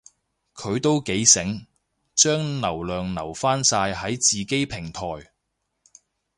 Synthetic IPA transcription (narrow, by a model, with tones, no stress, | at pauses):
kʰɵ˨˧ɥt̪o˥wke˨˥jsɪ˨˥ŋ | t͡ʃœː˥ŋnɐ˨˩wlœː˨ŋnɐ˨˩wfaː˥nsaː˧jɦɐ˨˥jt͡siː˨ke˥jpʰɪ˨˩ŋt̪ʰɔː˨˩j